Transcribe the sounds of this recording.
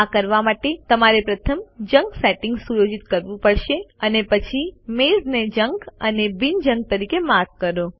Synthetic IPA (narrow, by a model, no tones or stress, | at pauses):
akəɾʋamaʈet̪əmaɾepɾət̪ʰəmd͡ʒə̃ŋɡsɛʈɪ̃ŋɡsujod͡ʒit̪kəɾʋũpəɽʃeənepət͡ʃʰimezned͡ʒəŋɡənebind͡ʒəŋɡ̚t̪əɾikemaɾkkːəɾo